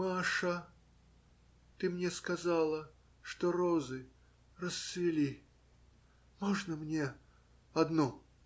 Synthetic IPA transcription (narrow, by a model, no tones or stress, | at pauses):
maʂə | t̪ɨmnʲeskazalˠə | ʂt̪oɾozɨ | rəsːvʲɪlʲi | moʐnəmnʲe | ɐd̪nɔ